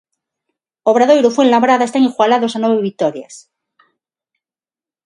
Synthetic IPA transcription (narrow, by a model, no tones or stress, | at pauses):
oβɾaðojɾofwenlaβɾaðaest̪aŋixwalaðosanweβeβit̪oɾja̰s